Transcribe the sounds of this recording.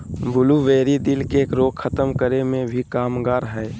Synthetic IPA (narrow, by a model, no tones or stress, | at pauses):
bʊluʋeːɾid̪ɪlkekɾoːɡkʰət̪əmkəɾemẽbʱikaːmɡaːɾɦɛː